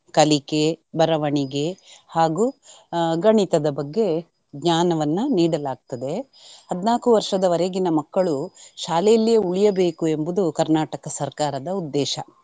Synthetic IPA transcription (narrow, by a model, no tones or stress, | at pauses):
kɐlike̞bɐɾɐʋɐɳiɡe̞haːɡu | ɡɐɳit̪ɐd̪ɐbɐɡːe̞ | ɡɲaːnɐʋɐnːuniːɽɐlaːɡ̚t̪ɐd̪e | hɐd̪naːkuʋɐɾʂɐd̪ɐʋɐɾeɡinɐmɐkːɐɭuʃaːlɛjɐlːijeuɭijɐbe̞ːkue̞mbud̪ukɐɾnaːʈɐkɐsɐɾkaːɾɐd̪ɐud̪ːɛːʃɐ